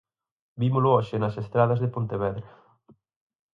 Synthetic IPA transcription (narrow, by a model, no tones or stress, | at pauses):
bimʊlʊɔʃɪnɐsest̪ɾaðɐzðepont̪eβɛðɾɐ